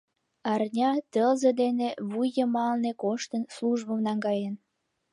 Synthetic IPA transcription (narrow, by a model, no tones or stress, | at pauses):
ɑrnʲɑt̪əlzəd̪eneβujːəmɑlnekoʃt̪ənsluʒbəmnɑŋɡɑjən